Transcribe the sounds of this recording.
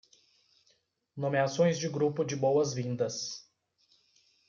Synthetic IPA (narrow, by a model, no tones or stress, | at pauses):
nõmeasõj̃zd͡ʒɪɡɾupʊd͡ʒɪbowɐzvĩnd̪ɐs